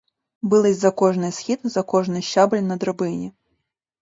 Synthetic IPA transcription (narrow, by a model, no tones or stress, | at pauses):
bɨlˠɪzʲzɐkɔʐnɨjsxʲit̪zɐkɔʐnɨjɕːablʲnɐd̪ɾɐbɪnʲi